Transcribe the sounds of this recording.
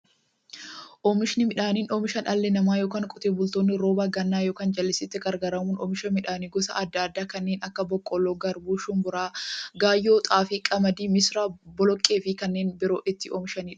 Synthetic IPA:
ʔɔːmɪʃɪnɪmɪᶑaːniːnoːmɪʃɐnʔɐlːɛnɐmaːjo̞ːkaːŋkʼɔt̪eːbʊlt̪oːnːɪɾo̞ːbaːɡɐnːaːjoːkaːnd͡ʒɐlːɪsɪt̪ːɛɡɐɾɡɐɾɐmuːnɔ̰ːmɪʃɐmɪᶑaːniːɡɔsɐ̰ʔɐd̪ːaːɐd̪ːaːkɐnːeːnʔɐkːɐbɔkʼːɔlːoːɡɐɾbuːʃʊmbʊɾaːɡaːjːoːt̪ʼaːfɪkʼɐmɐd̪iːmɪsɾaːbɔlɔkʼːe̞ːfɪkɐnːe̞ːnbɪɾoːʔɪt̪ːɪʔɔːmɪʃɐniːᶑɐ̥

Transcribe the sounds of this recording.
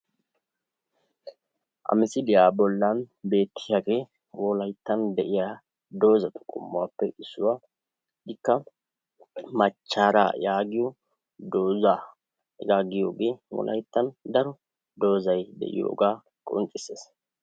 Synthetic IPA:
ʔɐ̰mɪsɪd̪ɪjaːbɔlːɐnbe̞ːt̪ːɪjaːɡe̞ː | wɔlɐjt̪ːɐnd̪ɛʔɪjaː | d̪o̞ːzɐt̪ʊ̥kʼʊ̰mːʊwa̰ːpːɛʔɪsːʊwaː | ɪkːɐ | mɐt͡ʃːaːɾa̰jaːɡɪjɔ | d̪oːza | jaːɡɪjoːɡe̞ːwɔ̰lʔɐ̰jt̪ːɐnd̪ɐɾɔ | d̪o̞ːzɐjd̪ɛ̰ʔɪ̰jo̰ːɡaː | kʼɔ̰nt͡ʃʼɪseːs

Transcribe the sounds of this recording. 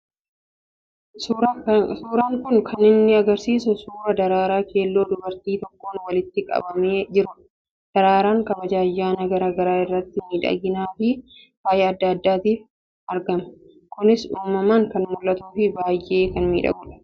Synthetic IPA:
suːɾaːŋkʊnkʰɐnɪnːɪɐɡɐɾsiːsʊsuːɾɐd̪ɐɾaːɾaːkʰe̞ːlːo̞ːd̪ʊbɐɾt̪iːt̪ɔkːo̞ːnwɐlɪt̪ːɪkʼɐ̰bɐmeːd͡ʒɪɾʊ | d̪̥ɐɾaːɾaːŋkɐbɐd͡ʒaːjːaːnɐɡɐɾaːɡɐɾaːɪrːɐt̪ːɪmiːᶑɐ̰ɡɪnaːfɪ | faːjɛɐd̪ːɐːd̪ːaːt̪iːf | ɐɾɡɐmɐ̥ | kʊnɪsuːmːɐmaːŋkɐnmʊlːɐt̪uːfɪbaːjʔe̞ːkɐnmḭːᶑɐ̰ɡʊlɐ̥

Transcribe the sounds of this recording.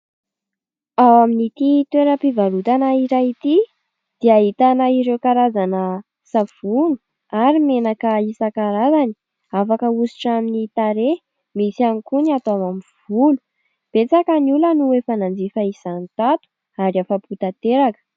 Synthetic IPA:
awaminit̪it̪weɾəpivalut̪anaiɾait̪i | d̪̥iaɦit̪anaiɾewkaɾazanə | sav̥unu̥ | aɾimenakəisakaɾazani̥ | afakəusi̥ʈ͡ʂaminit̪aɾe | misianikuniat̪oamamiv̥ulu̥ | b̥et͡sakəniulənuefanand͡zifaisanit̪at̪u̥ | aɾiafaput̪at̪eɾakə̥

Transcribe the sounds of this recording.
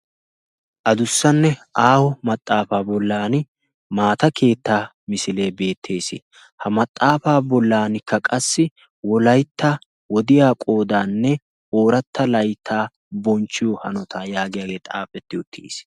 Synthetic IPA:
ʔɐd̪ʊsːɐnːɛʔaːwɔmɐt̪ʼːaːfaːbɔlːaːnɪ | maːt̪ɐkʰe̞ːt̪ːaː | mɪsɪleːbe̞ːt̪ʰːe̞ːsɪ̰ | hɐmɐt̪ʼːaːfaːbɔlːaːnɪkʰːɐkʼɐsːɪ | wɔlɐjt̪ːa | wɔd̪ɪjaːkʼoːd̪aːnːɛ | ʔoːɾɐt̪ːɐlɐjt̪ʰːaː | bɔnt͡ʃːɪjɔhɐnɔt̪ʰaːjaːɡɪjaːɡe̞ːt̪ʼaːpʼːɛt̪ːɪʊt̪ʰːḭːs

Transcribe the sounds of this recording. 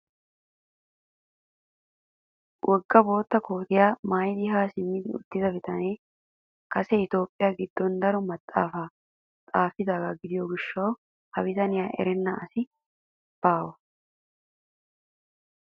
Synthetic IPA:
wʔɔɡːɐbo̞ːt̪ːɐkoːt̪ɪjaːmaːjd̪ɪɦaːsɪmːɪd̪ɪʊ̰t̪ːɪzɐbɪt̪ɐneː | kɐsɛɪt̪o̞ːpʼːɪjaːɡɪd̪ːɔnd̪ɐɾɔmɐt̪ʼːaːfaː | t̪ʼaːfɪd̪aːɡɐɡɪd̪ɪjoɡɪʃːɐw | hɐwɪt̪ɐnɪjaːʔɛ̰ɾɛnːɐɐsɪ | b̥aːwɐ

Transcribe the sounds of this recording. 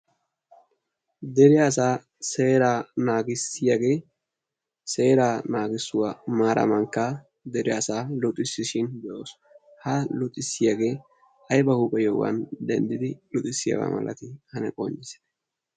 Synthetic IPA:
d̪ɛɾɪɐsaː | seːɾaːnaːɡɪsɪjaɡe̞ː | se̞ːɾaːnaːɡɪsːʊwamaːɾʔɐ̰mɐŋkːɐ | d̪ɛɾɪɐsaːlɔt̪ʼːɪsːɪʃɪnd̪ɛʔoːs | hɐlʊt̪ʼːɪsːɪjaɡe̞ː | ɐjbɐhuːpʼɛjɔwɐ̰nd̪ɛnd̪ɪd̪ɪlɔt̪ʼɪsːɪjɐ̰wa̰mɐ̰lɐ̰t̪ɪhɐnɛ̰kʼɔɲːɪs

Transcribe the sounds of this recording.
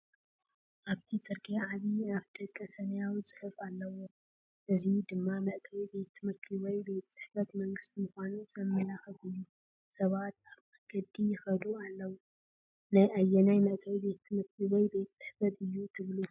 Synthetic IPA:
ʔaβt̪ʰit͡sʼɨɾkʼeʕaβiaβt̪ʰɐkʼːɐsɐnɐjawit͡sʼɨ̥ħɨfalːɐwo | ʔɨzid̪ɨmːamɐʔt̪ʰɐwibe̞t̪ʰːɨmɨɾkʰiwɔjbejt̪t͡sʼɨħfɐt̪mɐŋɡɨst̪ʰimɨxʷanusɐmːɐjaxɐt̪ɨjːu | sɐβat̪aβaɡɐd̪ːijɪxɐd̪ualːɐwu | najajːɛnajmɐʔt̪ʰɐwibe̞t̪ʰːɨmɨɾkʰiβɔjbet̪t͡sʼɨħfɐt̪ʰɨjːut̪ʰɨβlu

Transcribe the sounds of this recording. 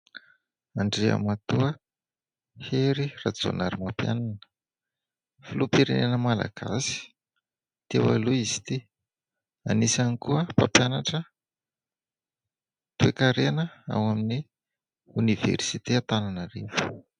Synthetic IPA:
aɳɖ͡ʐea̰mat̪uə | heɾirad͡zo̰naɾimapja̰nanə̥ | filupiɾenenəmala̰ɡ̥a̰si̥ | t̪ewa̰luiz̥i̥t̪i | anisanikuəpapjanaʈ͡ʂə | t̪uekaɾenəa̰wamini | univḛrsit̪eat̪ananarevu̥

